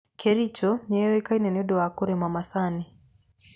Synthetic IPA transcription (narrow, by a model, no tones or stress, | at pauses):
kɛɾit͡ʃɔɲɛjɔikainɛnɔɗɔwakɔɾɛmamasani